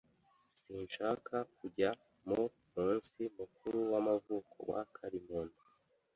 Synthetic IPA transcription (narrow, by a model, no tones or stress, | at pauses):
siːnʃaːkʰakuɟa | mu | muːnsimukuɾuwamavuːkʰo̞̰wa̰kʰaɾimoni